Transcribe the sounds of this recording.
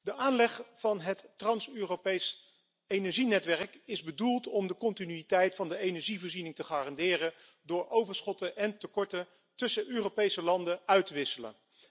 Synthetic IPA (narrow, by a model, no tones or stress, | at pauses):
dəʔaːnlɛχfɑnɦətːrɑnsøːropejs | ejnɛɹʒinɛtʋɛɹəkɪzbədulˠtɔmdəkɔntinyitɛjtfɑndəejnɛɹʒivɔːɹzinɪŋtəχaːrɑndɪːrən | dʊːɹʔowvəɹsχɔtəʔɛntəkɔɹtə | tɵsəʔøːrowpejsəlɑndəœɥtəʋɪsələ̰n